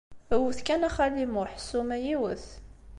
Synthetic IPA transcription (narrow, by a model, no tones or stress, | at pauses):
əwəθkænæχælimuħsumæjiwəθ